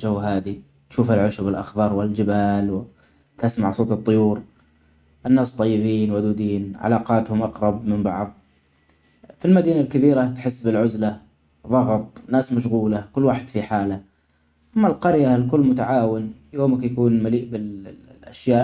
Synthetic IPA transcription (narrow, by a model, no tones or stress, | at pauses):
d͡ʒawːɦaːd̪i | t̪ʃuːfalʕʊʃʊbɪlʔɑ̰xðˤɑɾˤwɪld͡ʒɪbaːlw | t̪ɪsmaʕsˤoːt̪ɨt̪ˤːʊjuːɾ | ʔɪnːaːst̪ˤːɑjːɪbiːnwad̪uːd̪iːnʕa̰lɑːqɑːt̪hʊmʔɑqɾˤɑbmɪmbɑ̰ʕðˤ | filmad̪iːnalkabiːɾat̪ħɪsːbɪlʕʊzla | ðˤʊft̪ˤnaːsmaʃ̬ɣuːlakʊlːwaːħɪd̪̥fiħaːla | ʔamːalqɑɾjalkʊlːmʊt̪aʕaːwɪnjoːmakjakuːnmaliːʔbɪlʔa̰ʃjaːʔ